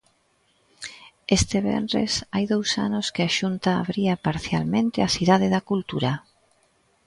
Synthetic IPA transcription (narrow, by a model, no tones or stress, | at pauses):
est̪eβɛ̰nɾḛsajðowsa̰noskeaʃunt̪a̰ːβɾiapaɾθjalmẽnt̪eaθiðað̞eðakult̪uɾa